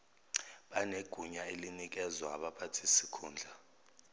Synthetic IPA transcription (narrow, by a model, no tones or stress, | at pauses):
ɓaneɡ̥ʱuɲaelinik̬ɛzwaːɓapʰatʰisikʰuːnd͡ɮʱa